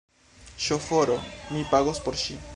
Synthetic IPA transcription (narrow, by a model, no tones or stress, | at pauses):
ʃofoɾomipaɣospoɾʃi